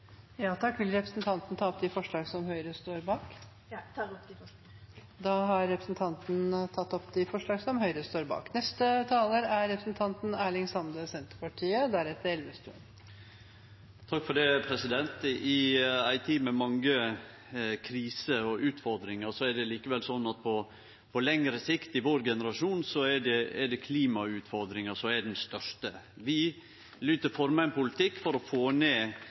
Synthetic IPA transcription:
jɑːt̪ʰɑkːʋɪlɾɛpɾəsnt̪ʰɑnt̪n̩t̪ʰɑːɔp̚d̪ɪfɔʂɭɑːɡsɔmhœʏɾəst̪oːɾbɑːk | d̪ɑːɦɑɾɛpɾəsnt̪ʰɑnt̪n̩t̪ʰɑt̪ːɔpd̪ɪfɔʂɭɑːɡsɔmhœʏɾəst̪oːɾbɑ̰ːknɛst̪ət̪ʰɑːləɾæɾːɛpɾəsnt̪ʰɑnt̪n̩æːɭɪŋsɑmd̪əsɛnt̪əɾkʰɑʈʰiːəd̪æɾɛt̪ːəɾɛlʋəst̪ʉ̰n | t̪ʰɑkːfɔɖɛpʰɾɛsɪd̪ɛnt̪ɪæɪt̪ʰiːmɛmɑŋə | kʰɾiːsəɔʔʉːt̪fɔɾd̪ɾɪŋəʂɔɛɖɛliːkəʋɛlsɔnːɑt̪̚pʰɔ | pʰɔlɛŋɾəsɪkt̪ɪʋoːɾɡɛnəɾɑʂuːnsɔɛɖɛɛɖɛkʰliːmɑʉːt̪fɔɾd̪ɾɪŋəsɔɛɖɛnst̪œʂtəʋɪ | lyːt̪əɾfɔɾmɑɪnpʊlɪt̪ɪkːfɔɾɔfoːneː

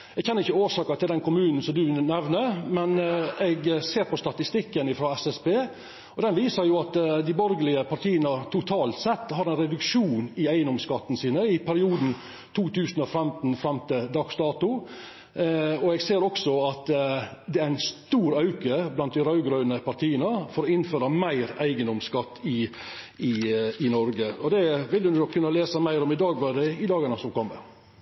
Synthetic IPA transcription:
ɛɡçʰɛnːəɾɪçːəoːʂɑːkɑt̪ʰɪld̪ɛnkʊmʉːnn̩sɔmd̪ʉnɛʋnəmɛnɛɡseːɾpɔst̪ɑt̪ɪst̪ɪkːənɪfɾoːɛsɛspeː | ɔd̪ɛnʋiːsəɾjʊɑt̪d̪ɪbɔɾɡəlɪəpɑɾʈ̪ʰiːənət̪ʰʊt̪ʰɑːlt̪sɛt̪ːhɑɾɛɪnɾɛd̪ʉkʂuːnɪæɪnɔmskɑt̪ːn̩siːnəɪpʰæɾɪuːd̪n̩ | t̪ʰuːt̪ʰʉːsənɔfɛmt̪n̩fɾɛmt̪əd̪ɑɡsd̪ɑːt̪ʊ | ɔɛɡseːɾɔksɔɑt̪d̪ɛæɾæɪnst̪uːɾɑʉkəblɑnt̪̚d̪ɪɾɑʉɡɾœːnəpɑɾt̪ʰiːənəfɔɾɔɪnføːɾɑmæɪɾæɪɡənɔmskɑt̪ːɪ | ɪɪnɔɾɡəɔd̪ɛʋɪld̪ʉnʊnɔkʰːʉnːəleːsəmæɪɾɔmɪd̪ɑːɡʋɑd̪ɛɪd̪ɑːɡɑnəsɔmkɔmːə̰

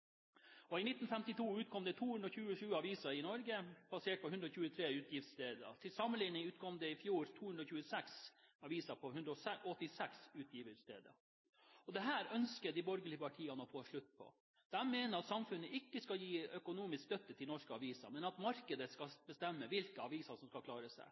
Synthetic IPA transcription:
ɔɪnɪt̪ːn̩fɛmt̪ɪt̪ʰuːʉːt̪̚kʰɔmd̪ɛt̪ʰuːhʉnd̪ɾɔçʉːəʂʉːɑʋiːsɑɪnɔɾɡəb̥ɑseːʈ̚pɔhʉnd̪ɾɔçʉːət̪ʰɾeːʉːt̪ʰjɪft̪st̪eːd̪ə̰t̪ʰɪlsɑmːənlɪnɪŋʉːt̪kʰɔmd̪ɛɪfjuːɾt̪ʰuːhʉnɾɔçʉːəsɛksɑʋiːsɑpʰɔhʉnd̪ɾɔsɛɔt̪ːɪsɛksʉːt̪ʰjiːʋəst̪ḛːd̪ə̰ | ɔd̪ɛɦæːɾœnskəd̪ɪbɔɾɡəɭɪəpɑʈʰiːɑnɔfoːʂɭʉt̪ːpʰɔ̰ | d̪̥ɛmmeːnəɾɑt̪sɑmfʉnːəʔɪkːəskɑljiːœkʊnuːmɪskst̪œt̪ːət̪ʰɪlnɔʂkəɑʋiːsɑ̰ɾmɛnɑt̪mɑɾkəd̪əskɑbəst̪ɛmːəʋɪlkəɑʋiːsɑsɔmskɑkʰlɑːɾəsæ̰ɪ

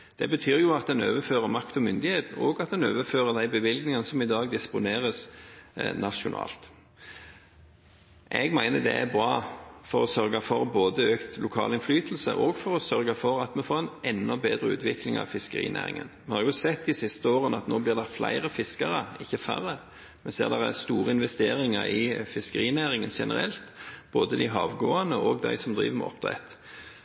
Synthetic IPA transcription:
d̪̥ɛ̰bət̪ʰyːʁjʊɑt̪̚d̪ɛnøːʋəføːʁəmɑkt̪ɔmʏnd̪ɪheːt̪ɔɡɑt̪̚d̪ɛnøːʋəføːʁəd̪æɪbəʋɪlɡnɪŋənəsɔmɪd̪ɑːɡd̪ɪspʊneːʁəs | nʔɑʂʊnɑ̰ːlt̪ | ʔɛɡmæɪnəd̪ɛ̰æ̰ɾbɾɑːfɔɾɔsœɾɡɑfɔɾboːd̪əøːkt̪lʊkʰɑ̰ːlɪnflyːt̪l̩sə̰ʔɔɡfɔɾɔsœɾɡɑfɔɾɑt̪mɛfoːʁɛnʔɛnːɔbeːd̪ɾəʉ̰ːt̪ʰʋɪklɪŋɑ̰ʋfɪskəʁḭːnʔæ̰ːʁɪ̰ŋə̰nmɛhɑːɾjʊsɛt̪ːd̪ɪsɪst̪əoːʁənɑt̪noːblɪʁd̪ɛflʔæ̰ɪʁəfɪskɑʁəɪçːəfæ̰ʁə | mɛsḛːʁd̪ɛʁæst̪uːʁəɪnʋɛst̪eːɾɪŋɑɾɪfɪskəʁiːnæːɾɪŋənʃɛnəɾɛ̰lt̪b̥oːd̪əd̪æɪɦɑːʋɡoːɑnəʔɔɡd̪æ̰ɪsɔmd̪ʁḭːʋəmɛ̰ɔ̰p̚d̪ʁɛ̰t̪

